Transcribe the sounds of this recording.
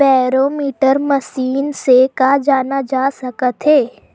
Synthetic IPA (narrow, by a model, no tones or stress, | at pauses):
bɛːɾoːmiːʈəɾməsiːnsekad͡ʒaːnad͡ʒaːsɐkət̪ɦeː